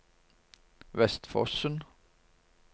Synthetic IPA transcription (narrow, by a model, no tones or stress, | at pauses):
ʋɛst̪fɔ̰sən